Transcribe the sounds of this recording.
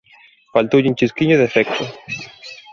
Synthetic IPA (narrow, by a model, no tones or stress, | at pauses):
falt̪od͡ʑiɲt͡ʃiskiɲoðefekt̪o